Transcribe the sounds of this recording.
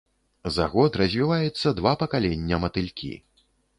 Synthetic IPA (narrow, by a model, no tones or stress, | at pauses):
zaɣɔt̪rɐzʲvʲivajɛt̪sːɐd̪vapɐkalʲɛnʲːɐmɐt̪ɨlʲkʲḭ